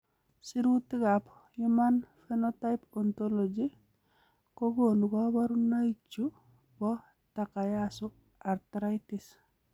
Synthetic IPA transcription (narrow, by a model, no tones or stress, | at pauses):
siɾutikap | jumanfenɔtajpɔntolod͡ʒi | koɡonkɔbaɾunait͡ʃːu | bɔ | takajasu | aɾtɾajtis